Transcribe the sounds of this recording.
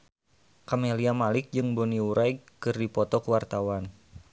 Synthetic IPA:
kameliamalɪk̚d͡ʒɨŋbɔniuɾʔajkɨrdipɔt̪ɔkuwart̪awan

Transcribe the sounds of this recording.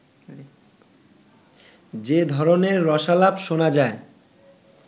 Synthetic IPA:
d͡ʑed̪ʱɔɾoneɾːɔʃalabʃonad͡ʑae

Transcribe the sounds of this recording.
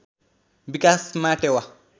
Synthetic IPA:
bikasmatɛwa

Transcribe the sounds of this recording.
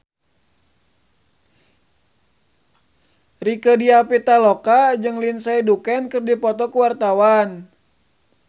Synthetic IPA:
rikədiapit̪alɔkad͡ʒɨŋlinsaidukɛnkɨrdipɔt̪ɔkuwart̪awan

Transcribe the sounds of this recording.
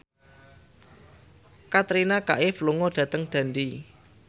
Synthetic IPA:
kat̪ɾinaka̰ʔefluŋɔɖ̥ä̤t̪əŋd̪̥a̤nd̪i

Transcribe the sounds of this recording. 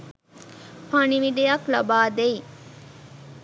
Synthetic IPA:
paniʋiɖejaklɐbaːd̪ej

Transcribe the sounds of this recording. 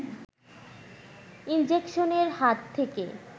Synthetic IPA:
ind͡ʑekʃoneɾhat̪ʰːeke

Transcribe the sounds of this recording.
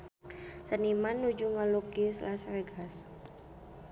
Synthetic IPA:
sənimanːud͡ʒuŋalukislasreɡas

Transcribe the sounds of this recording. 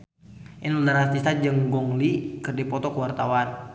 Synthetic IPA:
ʔinulaɾat̪ist̪ad͡ʒɨŋɡɔŋlikɨrdipɔt̪ɔkəwart̪awan

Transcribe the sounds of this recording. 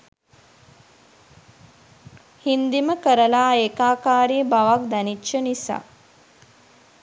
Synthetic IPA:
hind̪iməkəɾəlaːeːkaːkaːɾibaʋak̚d̪ænit͡ʃːʃənisa̰ː

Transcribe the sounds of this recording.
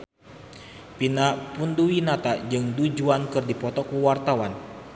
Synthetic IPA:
pinapunduwinat̪ad͡ʒɨŋdud͡ʒuankɨrdipɔt̪ɔkuwart̪awan

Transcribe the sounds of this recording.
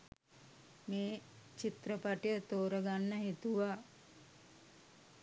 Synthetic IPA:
meː | t͡ʃit̪ɾəpaʈijət̪oːɾəɡanːəɦet̪uʋa

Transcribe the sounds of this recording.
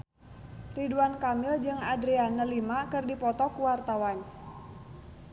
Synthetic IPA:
riduankamɪld͡ʒɨŋadɾianəlimakɨrdipɔt̪ɔkuwart̪awan

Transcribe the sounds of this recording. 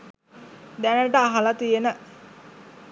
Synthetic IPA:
d̪ænəʈəaɦalat̪ijenə

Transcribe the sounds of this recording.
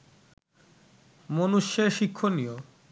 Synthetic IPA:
monuʃːeʃikʰːonijo

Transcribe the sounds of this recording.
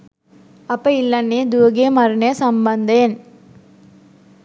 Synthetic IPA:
ɐpːɐɪlːɐnːid̪uɡemɐɾneːsɐmbɐnd̪eːn

